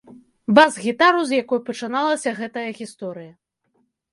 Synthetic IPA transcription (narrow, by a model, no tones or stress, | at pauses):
bazɣʲit̪aɾuzjakɔjpɐt͡ʂɨnalˠɐsʲɐɣɛt̪ɐjɐɣʲist̪ɔɾɨjɐ